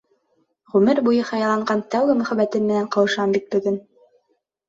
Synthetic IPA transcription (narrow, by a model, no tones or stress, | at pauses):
ʁʉmɘɾbujɤhɑjlˠɑɴɢɑnt̪æwɡɘmɵ̆χæβæt̪ɘnmɘ̆næɴqɤ̆wɤ̆ʃɑmbit̪̚bɵ̆ɡɘn